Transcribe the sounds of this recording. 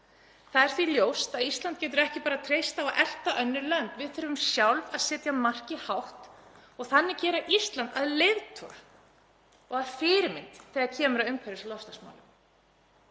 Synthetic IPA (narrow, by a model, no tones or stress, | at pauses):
θaðɛɾ̥θviljoːwst̪aðist̪lant̪̚cɛːt̪̬ʏɾɛhcɪpaːɾat̪ʰɾejst̪avaʔɛl̥t̪aʔœnːɪɾlœnt̪vɪðθœɾvʏmsjawlvaðsɛːt̪jamar̥cihawht̪ | ɔɣθanːɪcɛːɾaʔist̪lant̪aðlɪvt̪ʰɔ̰ɾ̥ | ɔɣaɾfɪːɾɪmɪnt̪θɛːɣaɾcʰɛːmʏɾaðʏmkʰvɛɾɪsalɔst̪asma̰wlʏm